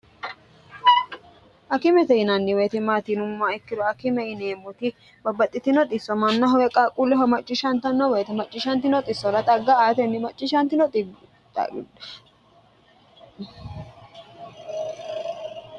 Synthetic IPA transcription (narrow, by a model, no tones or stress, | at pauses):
ʔɐkɪmɛt̪ɛɪnɐnːɪweːt̪ɪmaːt̪iːnʊmːaɪkːɪd̪ɔɐkɪmɛɪneːmʊt̪ɪ | bɐbːɐt̪ʼːɪt̪ɪnɔt̪ʼɪsːɔmɐnːɐɦɔwɛkʼaːkʼulːɪɦɐmɐt͡ʃʼːɪʃɐnt̪ɐnːɔweːt̪ɪmɐt͡ʃʼːɪʃɐnt̪ɪnɔt̪ʼɪsːɔɾɐt̪ʼɐɡːaaːt̪ɛnːɪmɐt͡ʃʼːɪʃɐnt̪ɪnɔt̪ | t̪ɐ̰